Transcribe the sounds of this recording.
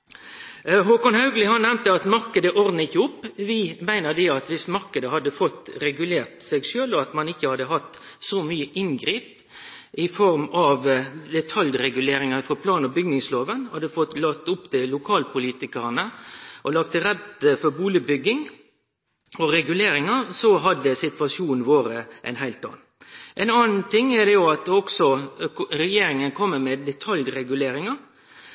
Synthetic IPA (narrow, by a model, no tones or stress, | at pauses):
ɦoːkɑŋhɑʉɡlɪhɑnnɛmnt̪əɑt̪mɑɾkəd̪əʔɔɾd̪n̩ɪçːəʊpːʋɪmæɪnəd̪ɛɑt̪ʋɪsmɑɾkəd̪əhɑd̪ːəfɔt̪ːɾɛɡʉleːɾt̪sɛɪɡʃøːlɔɑt̪mɑnɪçːəhɑd̪ːəɦɑt̪ | sɔmyːəʔɪnɡɾiːp | ʔɪfɔɾmɑʋd̪ɛt̪ʰɑljɾɛɡʉleːɾɪŋɑfʁɑpʰlɑːnɔbʏɡnɪŋsloːʋənhɑd̪əfɔt̪lɑt̪ʊpt̪ɪlʊkʰɑːlpʰʊliːt̪ɪkəʁnəʔɔlɑkt̪əɾɛd̪fɔɾbuːləbʏɡːɪŋ | ɔɾɛɡʉleːɾɪŋɑsɔɦɑd̪ːəsɪt̪ʋɑsuːnn̩ʋoːɾəʔɛ̰nhæɪlt̪ɑ̰ːnn̩ʔɛnɑːnnt̪ʰɪŋɛd̪ɛjʊɑt̪ɔksɔɾɛjeːɾɪŋənkʰɔmːəmɛd̪ɛt̪ʰɑljɾɛɡʉleːɾɪŋɑ